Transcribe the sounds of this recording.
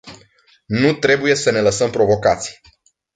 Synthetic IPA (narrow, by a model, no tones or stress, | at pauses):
nut̪ɾe̞buje̞səne̞ləsəmpɾo̞vo̞kat̪si̥j